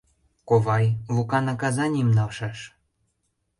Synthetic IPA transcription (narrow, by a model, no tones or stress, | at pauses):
koβɑjlukɑnɑkɑzɑnʲimnɑlʃɑʃ